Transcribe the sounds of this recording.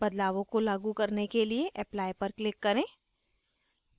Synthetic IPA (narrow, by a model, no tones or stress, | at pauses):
bɐd̪laːʋõkolaːɡukɐɾnekelieʔɛːplaːjpɐɾklɪkːɐɾẽː